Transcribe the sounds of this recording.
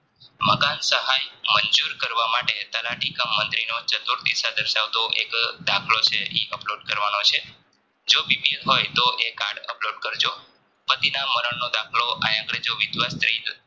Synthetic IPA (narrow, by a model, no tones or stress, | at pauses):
məkansəɦajməɲd͡ʒuɾkəɾʋamaʈet̪əlaʈikəmːənt̪ɾinot͡ʃət̪uɾt̪ḭsad̪əɾʃaʋt̪oʔḛkd̪akʰlot͡ʃʰeʔḛʔəploɖkəɾʋanot͡ʃʰe | d͡ʒobipilɦojt̪oʔekaɾɖə̰ploɖkəɾd͡ʒo | pət̪inaməɾəɳnod̪akʰloʔa̰jãkɽed͡ʒoʋɪd̪ʋast̪ɾit̪